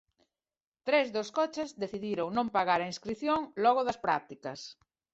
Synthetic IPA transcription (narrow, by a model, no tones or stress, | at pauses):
t̪ɾezðoskɔt͡ʃezðeθiðiɾoŋnõmpaɣaɾaĩskɾiθjoŋlɔɣoðɐspɾa̰k̚t̪ikɐs